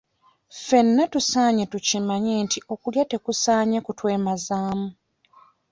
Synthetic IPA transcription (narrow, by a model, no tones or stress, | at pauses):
fe̞nːatusaːɲetucimaɲeːntiʔo̞kuljate̞kusaːɲekutwe̞ːmazaːmu